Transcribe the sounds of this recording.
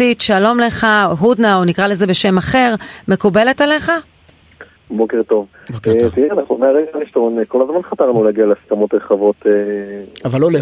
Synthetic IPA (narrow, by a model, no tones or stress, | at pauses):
itʃalo̞mle̞χaɦud̪naonikʁale̞zebe̞ʃe̞maχe̞ʁme̞kube̞le̞tale̞χa | bokeʁt̪o̞v | bokt̪iʁɛanaχnumeaʁeɡaliʃt̪ooneko̞lazmanχat̪aʁnuleaɡialeaskamo̞t̪ʁeχavo̞t̪eavalːole